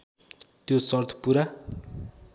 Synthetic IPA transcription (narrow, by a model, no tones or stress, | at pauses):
t̪josʌrt̪ʰʌ̥puɾa